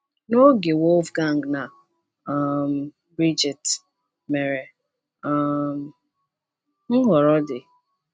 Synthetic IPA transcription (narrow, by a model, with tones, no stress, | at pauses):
no˦ɡe˨wo˦lvɡa˦˨ŋ̩˨ɡna˨˦ | m̩˨ | bɾi˦d͡ʒi˨t | me˨ɾe˨ | a˦m̩˦ | ŋ̩˦ɦɔ˨ɾɔ˦dɪ˨